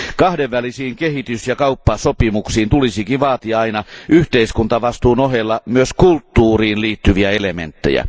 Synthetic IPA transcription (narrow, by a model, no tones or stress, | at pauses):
kɑhdeʋːælisiːŋkehit̪ysjɑkɑupːɑsopimuksiːnt̪ulisikiʋʋɑːt̪iɑɑinɑʔyht̪eiskunt̪ɑʋɑst̪uːnoɦelːɑmyøskult̪ːuːriːnliːt̪ːyʋiæelemḛnt̪ːḛjæ̰